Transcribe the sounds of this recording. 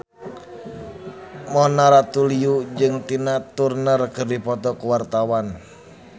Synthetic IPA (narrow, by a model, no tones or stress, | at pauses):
mɔnaɾat̪uliud͡ʒɨŋt̪inat̪urnərɡərdipɔt̪ɔkuwart̪awan